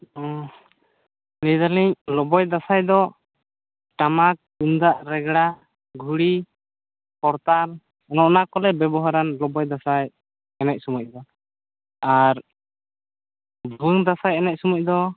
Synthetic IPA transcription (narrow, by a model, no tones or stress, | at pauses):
nɛjd̪aliɲlɔbɔjd̪asajd̪ɔ | ʈamak̚und̪aʔɾɛɡɽa | ɡʱuɽi | pɔɾt̪an | ɔnɔʔnakɔlɛbɛbɔɦaɾanlɔbɔjd̪asaj | ɛnac̚sumɔc̚ˀd̪ɔ | aɾ | bʱuŋd̪asajɛnac̚sumɔc̚ˀd̪ɔ